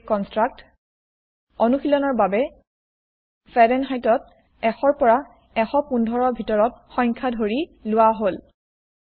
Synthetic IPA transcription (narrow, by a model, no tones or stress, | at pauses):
kɔnstɹak̚t | onuxilɔnɔɹbabɛ | fɛdɛnɦajtɔt̚ | ɛxɔɹpɔɹa | ɛxɔpundʱɔɹɔbʱitɔɹɔt̚xɔjŋkʰadʱoɹilʊwaɦol